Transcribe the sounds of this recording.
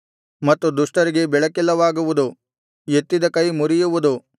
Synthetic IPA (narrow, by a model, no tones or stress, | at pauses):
mɐt̪ːud̪uʂʈɐɾiɡe̞bɛɭɐkilːɐʋaːɡuʋud̪u | e̞t̪ːid̪ɐkɐjmuɾijuʋud̪u